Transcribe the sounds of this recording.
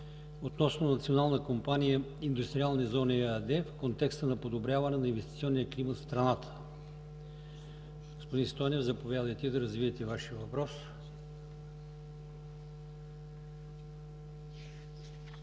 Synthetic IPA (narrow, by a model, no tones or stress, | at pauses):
ot̪nɔsnonɐt̪sionalˠnəkompanijəind̪ust̪ɾialˠnɛzɔniad̪ɛfkont̪ɛkst̪ənɐpod̪obɾʲjavɐnɛnɐinvɛst̪i̥t̪siɔnːijəklimət̪st̪ɾɐnat̪ʰə̥ | ɡospod̪inst̪ɔjnɛvzɐpovʲjad̪əjt̪id̪ɐɾɐzvivət̪ɛvaʃiəvɐpɾɔs